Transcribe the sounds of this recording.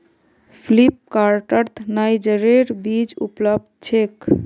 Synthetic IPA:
pʰlip̚kaɾʈəɾt̪ʰnajd͡ʒəɾeɾbid͡ʒṵpləb̚d̪̚t͡ʃʰek

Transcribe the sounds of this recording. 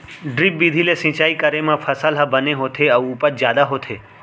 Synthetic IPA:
ɖɾip̚bid̪ʱilesĩt͡ʃaikəɾemãfʰəsalɦabəneɦot̪ʰeəũːpət̪d͡ʒjad̪aɦot̪ʰe

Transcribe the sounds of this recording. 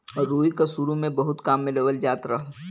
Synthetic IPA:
ɔːɾɾuːikasuɾumẽbɐɦʊt̪kaːmːɪleʋəld͡ʒaːt̪ɾɐɦ

